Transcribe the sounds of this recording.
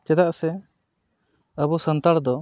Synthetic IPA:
t͡ʃɛd̪aʔsɛ | əbusənt̪aɽd̪ɔ

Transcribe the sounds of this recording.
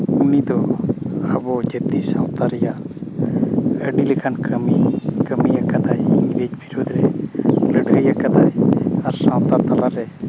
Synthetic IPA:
unid̪ɔ | abɔd͡ʒət̪isãw̃t̪aɾɛja | əɖilikʰankəmikəmijakad̪ajiŋɾed͡ʒbʱiɾod̪ʱɾɛləɖəjakad̪ajaɾsãw̃t̪at̪alaɾɛ

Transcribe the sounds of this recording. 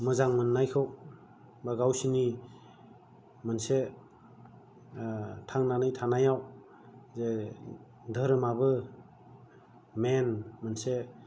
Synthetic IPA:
mɯzaŋmɯnːajkʰɯw | baɡawsini | mɯnse | tʰaŋnanɯjtʰanajaw | ze | dʱəɾɯmabɯ | menmɯnse

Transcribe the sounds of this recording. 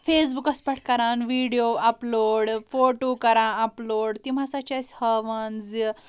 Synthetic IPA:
fes̬bukɐspəʈ̚ʰkɐɾãnʋiɽijoɐploːɽfoʈokəɾãɐploɽt̪im̤asat͡ɕashəʋənd͡zi

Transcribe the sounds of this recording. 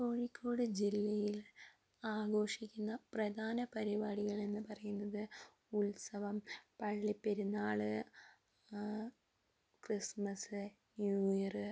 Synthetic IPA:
koːɻikʲʰːo̞ːɽɨd͡ʑilːɐjil | aːɡo̞ːʂikʲːunːɐprɐd̪ʱaːnɐpɐɾibaːɽiɣɐɭe̞nːɨpɐrɐjunːɐðɨ | ulsɐʋɐmpɐɭːipːeɾunːaːɭɨ | krismɐsɨ | njuːjɐrɨ

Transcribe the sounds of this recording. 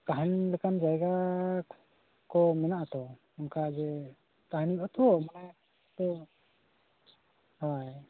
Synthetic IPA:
t̪aɦanlɛkand͡ʒajɡa | kɔmɛnaʔt̪ɔ | ɔnkad͡ʒɛ | t̪aɦniɔt̪ɔwɔmanaj | t̪ɔ | haj

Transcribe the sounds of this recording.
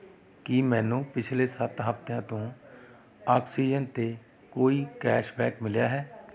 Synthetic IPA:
kɪmɛ̃ːnũːpɪt͡ʃʰleːsət̪ɦəpt̪jãːt̪õː | aːksiːd͡ʒənt̪eː | koːiːkɛːʃbɛːkmɪljaːɦɛː

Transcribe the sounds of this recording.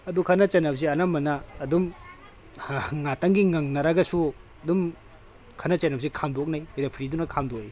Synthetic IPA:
ɐdukʰanɐt͡ʃɐnɐbs̬iɐnamːɐnɐːdum | ŋatɐŋɡiŋaŋnɐɾaɡɐsuɐdum | kʰanɐt͡ʃɐnɐbsikʰamdok̚najiɾapʰɾidunɐkʰamdoi

